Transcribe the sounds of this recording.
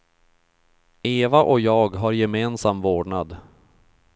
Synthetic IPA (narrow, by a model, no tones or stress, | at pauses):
eːvaʔɔkjɑːɡɦaɾjɛmeːnsamvoːɖɳad̪